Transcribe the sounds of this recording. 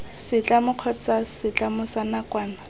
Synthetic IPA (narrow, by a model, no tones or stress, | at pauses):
sɪt͡ɬʼamʊq͡χʰɔt͡sasɪt͡ɬʼamʊsanakʼwaːna